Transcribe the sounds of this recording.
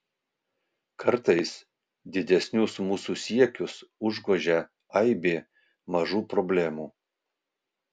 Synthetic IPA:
kʰɐɾt̪ɐɪs | d̪ʲɪd̪ʲɛsʲnʲʊsmuːsuːsʲiɛkʲʊsʊʒɡoʒʲɛ | ɐɪbʲeː | mɐʒuːpɾɔbʲlʲæmuː

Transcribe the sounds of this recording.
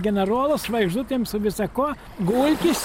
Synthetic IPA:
ɡʲɛnʲɛɾoːlˠʊsʋɐɪɡʒd̪ʊt̪ʲeːmsʊʋʲɪsɐkuɔ | ɡuːlʲkʲɪsʲ

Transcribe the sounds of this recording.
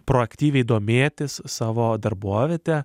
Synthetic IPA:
pɾoːɐkʲt̪ʲiːʋʲɛɪid̪oːmʲeːt̪ʲɪssɑːʋoːd̪ɐɾbuɔʋʲeːt̪ʲɛ

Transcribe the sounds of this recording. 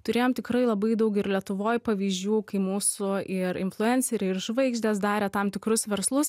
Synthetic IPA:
t̪ʊɾʲeːjoːmt̪ʲɪkɾɐɪlˠɐbɐɪd̪ɐʊkɪɾlʲiɛt̪ʊʋoːjpɐʋʲiːzʲd͡ʒʲuːkɐɪmuːsʊɪɾɪ̰nflˠʊɛnʲsʲɛɾʲɪrʒʋɐɪɡʒʲd̪ʲɛːsd̪ɑːɾʲɛt̪ɐmt̪ʲɪkɾʊsʋʲɛɾslˠʊs

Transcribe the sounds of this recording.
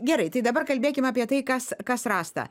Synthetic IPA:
ɡʲɛɾɐɪt̪ɐɪd̪ɐbɐrkɐlʲbʲeːkʲɪmɑːpʲiɛt̪ɐɪkɐskɐsrɑːst̪ɐ̰

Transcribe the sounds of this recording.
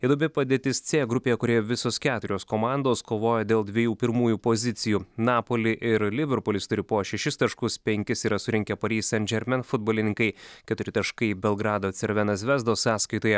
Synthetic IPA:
jɪɛd̪obʲɪpɐd̪ʲeːt̪ʲɪst̪sʲeːɡɾʊpʲeːjɛkʊɾʲeːjɛʋʲɪsoːskʲæːt̪ʊɾʲoːskomɑˑnd̪oːskoːʋoːjɛd̪ʲeːlˠd̪ʲʋʲiɛjuːpʲɪɾmuːjuːpozʲɪt̪sʲɪjuːnɑːpoːlʲɪʔɪɾlʲɪʋʲɛɾpʊlʲɪst̪ʊɾʲɪpoːʃʲɛʃʲɪst̪ɐʃkʊspʲɛŋʲkʲɪsiːɾɐsʊɾʲɪŋʲkʲɛpɐɾʲiːsʲɛnʲd͡ʒʲɛɾʲmʲɛnfʊd̪boːlʲɪnʲɪŋkɐɪkʲɛt̪ʊɾʲɪt̪ɐʃkɐɪbʲɛlˠɡɾɑːd̪oːt̪sʲɛɾʲʋʲɛnɐs̬ʋʲɛzd̪oːssɑːskɐɪt̪oːjɛ

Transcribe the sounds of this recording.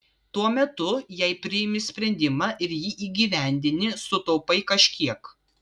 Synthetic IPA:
t̪uɔmʲɛt̪ʊjɛɪpʲɾʲɪjɪmʲɪsʲpʲɾʲɛnʲd̪ʲɪmɑːʔɪɾjiːʔiːɡʲiːʋʲæˑnʲd̪ʲɪnʲɪsʊt̪ɔʊpɐɪkɐʃʲkʲiɛk

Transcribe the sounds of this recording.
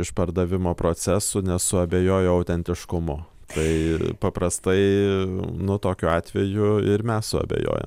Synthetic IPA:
ɪʃpɐɾd̪ɐʋʲɪmoːpɾoːt͡sʲæsʊnʲɛsʊɐbʲeːjoːjoːɐʊt̪ʲɛnʲt̪ʲɪʃkʊmʊ | t̪ɐɪpɐpɾɐst̪ɐɪ | nʊt̪oːkʲuːɑːt̪ʲʋʲɛjʊɪɾmʲɛssʊɐ̰bʲḛjo̰ːjɛ̰m

